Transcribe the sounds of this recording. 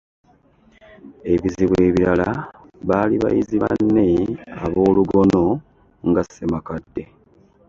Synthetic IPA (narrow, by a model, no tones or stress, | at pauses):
e̞βiziβwe̞ːβiɾala | βaːliβa̰jḭziβa̰nːe̞aβo̞ːluɡo̞no̞ | ŋɡasːemakadːe̞